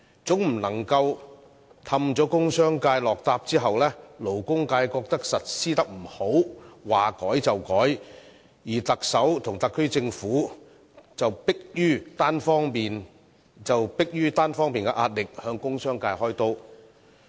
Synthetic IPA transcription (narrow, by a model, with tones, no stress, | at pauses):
t͡sʊ˨˥ŋm̩˨˩nɐ˨˩ŋkɐ˧w | t̪ʰɐ˧mt͡sɔː˨˥kʊ˥ŋsœː˥ŋkaː˧jlɔː˨k̚t̪aː˧p̚t͡siː˥ɦɐ˨wlɛː˥lo˨˩wkʊ˥ŋkaː˧jkɔː˧k̚t̪ɐ˥k̚sɐ˨t̚siː˥t̪ɐ˥k̚m̩˨˩ho˨˥wwaː˨˩kɔː˨˥jt͡sɐ˨wkɔː˨˥j | jiː˨˩t̪ɐ˨k̚sɐ˨˥wt̪ʰʊ˨˩ŋt̪ɐ˨˧kʰːɵ˥ɥt͡sɪ˧ŋfuː˨˥ | t͡sɐ˨wpɪ˥k̚jyː˥t̪aː˥nfɔː˥ŋpiː˨n | t͡sɐ˨wpɪ˥k̚jyː˥t̪aː˥nfɔː˥ŋmiː˨nkɛ˧ʔaː˧t̚lɪ˨k̚hœː˧ŋkʊ˥ŋsœː˥ŋkaː˧jhɔː˥jt̪o˥w